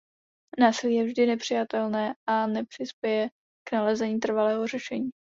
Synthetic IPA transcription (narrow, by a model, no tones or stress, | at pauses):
naːsɪliːjɛvʒdɪnɛpr̝̥ɪjat̪ɛlnɛːʔanɛpr̥ɪspjɛjɛ | knalɛzɛɲiːt̪r̩valɛːɦo̞rɛʃɛɲiː